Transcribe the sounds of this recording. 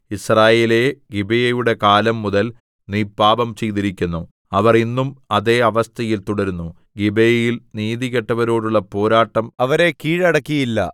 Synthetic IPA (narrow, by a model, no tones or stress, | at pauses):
israːjeːle̞ɡibejɐjuɽe̞kaːlɐmːuðɐl | niːpːaːbɐmt͡ɕe̞jt̪iɾikʲːunːu | ɐʋɐrinːumɐðe̞ːɐʋɐst̪ʰɐjilt̪uɽɐɾunːu | ɡibejɐjilniːðiɣɐʈːɐʋɐɾo̞ːɽuɭːɐpo̞ːɾaːʈːɐmɐʋɐɾe̞kiːɻɐɽɐkːijilːɐ̰